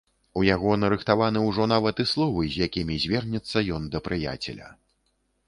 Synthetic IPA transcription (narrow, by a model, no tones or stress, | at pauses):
ujaɣɔnɐɾɨxt̪avanɨwʐɔnavɐt̪ɨslˠɔvɨzʲjakʲimʲizʲvʲɛrnʲɛt̪sːɐjɔnd̪ɐpɾɨja̰t͡sʲɛlʲɐ̰